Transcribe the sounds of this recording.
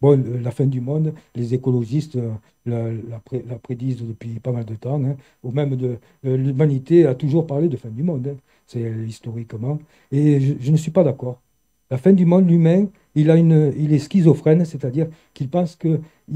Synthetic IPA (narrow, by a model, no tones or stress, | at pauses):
bɔ̃lafɛ̃d̪ymɔ̃d̪lezekɔlɔʒist̪ | lalapχelapχed̪izəd̪əpɥipamald̪ət̪ɑ̃ɛ̃ | umɛmd̪ə | lymanit̪eat̪uʒuʁpaʁled̪əfɛ̃d̪ymɔ̃d̪ɛ̃ | sɛist̪ɔʁikmɑ̃ | eʒəʒənəsɥipad̪akɔʁ | lafɛ̃d̪ymɔ̃d̪ymɛ̃ | ilaynəilɛskʲizɔfχɛnset̪ad̪iʁ | kilpɑ̃skə